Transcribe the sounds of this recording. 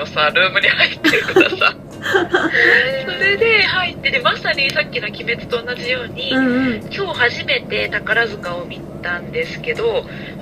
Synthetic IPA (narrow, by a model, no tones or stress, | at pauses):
osaɾɯːmɯ̟ɲ̟ihait̪ːeɾɯ̟kɯ̟d̪asa̰ | soɾe̞d̪e̞hait̪ːe̞d̪emasanʲisakʲːino̞kʲime̞t͡sɨ̥t̪o̞ːnad͡ʑijo̞ːɲ̟ikʲo̞ːhaʑime̞t̪e̞t̪akaɾazɨkao̞mʲi | t̪ãnd̪e̞sɨ̥ke̞d̪o̞